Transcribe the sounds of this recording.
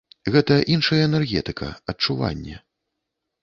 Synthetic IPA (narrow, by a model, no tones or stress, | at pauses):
ɣɛt̪ɐʔinʂɐjɛɛnɛrɣʲɛ̰t̪ɨkʰɐ̰ɐt͡ʂuva̰nʲːɛ̰